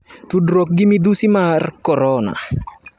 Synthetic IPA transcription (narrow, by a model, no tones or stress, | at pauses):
tudɾɔk̚ɡɪmid̪usimarkɔɾɔna̰